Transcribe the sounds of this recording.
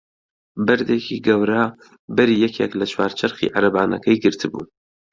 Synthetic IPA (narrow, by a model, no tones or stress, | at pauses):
bɨɾd̪eːkʰiɡɐwɾa | bɐɾiːjɛkʰeklɐt͡ʃʰwaːɾt͡ʃʰɐɾχḭːʕaɾɐbaːnɐ̰kʰɐjɡɨɾt̪ʰɨbṵː